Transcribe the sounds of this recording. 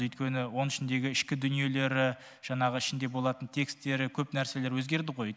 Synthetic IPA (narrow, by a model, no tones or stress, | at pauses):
ʏjt̪kʲe̞nɪwo̞nɪʃɪnd̪e̞ɡʲɪɪʃkʲɪd̪ʏnije̞le̞ɾɪ | ʒ̥ɑɴɑʁəɪʃɪnd̪e̞bo̞lˠɑt̪ənt̪ʰe̞kst̪ːe̞ɾɪkʲʰɵpnæɾse̞le̞ɾwɵzɡʲe̞ɾd̪ɪʁo̞j